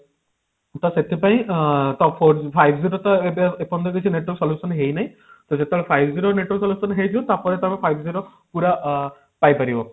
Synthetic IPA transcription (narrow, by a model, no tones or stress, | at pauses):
t̪ɔset̪ʰipaj̃t̪ɔppʰɔɾpʰajbʰʱziɾɔt̪aebiaepɔnd̪ɔkojsʰineʈɔlsɔljusɔnɦejnaj̃ | t̪ɔzet̪elpʰajbʱziɾoneʈɔlsɔljusɔnɦejd̪iɔt̪apɔɾɛt̪amɛpʰajbʰʱziɾo | puɾa | pajpaɾibɔ